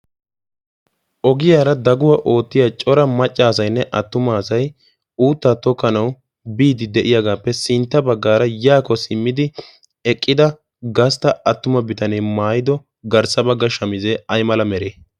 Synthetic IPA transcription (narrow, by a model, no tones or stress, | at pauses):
ʔɔɡɪjaːɾɐd̪ɐɡʊwɐʔo̞ːt̪ːɪjaːt͡ʃʼɔɾɐmɐt͡ʃʼːaːs̬ɐjnːɛʔɐt̪ːʊmaːsɐj | uːt̪ːaːt̪ɔkːɐnɐw | biːd̪ɪd̪ɛʔɪjaɡaːpːɛsɪnt̪ːɐbɐɡːaːɾɐjaːkɔsɪmːɪd̪ɪ | ɛkʼːɪd̪ɐ | ɡɐst̪ɐɐt̪ːʊmɐbɪt̪ɐnɛjmaːjɪd̪ɔ | ɡɐɾsɐbɐɡːɐʃɐmɪzɛɐjmɐlɐmɛɾeː